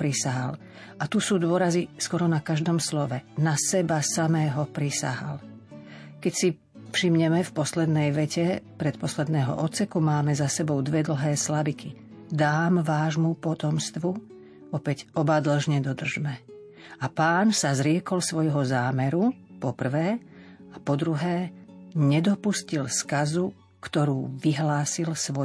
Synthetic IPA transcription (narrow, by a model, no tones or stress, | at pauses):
pɾisaɦal | ʔat̪usuːd̪ʊɔɾaziskwɔɾɔnakaʒd̪ɔmslɔʋɛnasɛbasamɛːɦɔpɾisa̰ɦa̰l | kɛcsi | fʃimɲɛmɛfpɔslɛd̪nɛjʋɛcɛpɾɛt̪pɔslɛd̪nɛːɦɔ̰ʔɔt̪sɛkumaːmɛzasɛbɔʊd̪ʋɛd̪l̩ɦɛːslabiki | d̪aːmʋaːʒmupɔt̪ɔmst̪ʋu | ɔpɛɟʔɔbad̪l̩ʒɲɛd̪ɔd̪r̩ʒmɛ | apaːnsazɾɪɛkɔlsʋɔjɦɔzaːmɛɾupɔpr̩ʋɛːapɔd̪ɾuɦɛːɲɛd̪ɔpuscilskazu | kt̪ɔɾuːʋiɦlaːsilsʋɔ